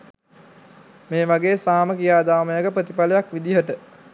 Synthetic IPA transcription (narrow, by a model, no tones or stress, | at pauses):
meːʋaɡeːsaːməkijaːd̪aːməjəɡəpɾət̪ipaləjakʋid̪iɦəʈə